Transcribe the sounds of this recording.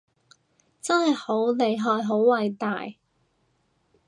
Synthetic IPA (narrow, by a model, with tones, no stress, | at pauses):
t͡sɐ˥nhɐ˨˩jho˨˥wle˨˧jɦɔː˨˧jɦo˨˥wwɐ˨jt̪a̰ː˨j